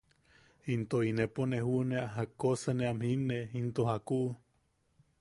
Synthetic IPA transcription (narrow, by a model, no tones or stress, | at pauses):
int̪oineponehuʔneaɦakosəneamhineint̪ohakuʔ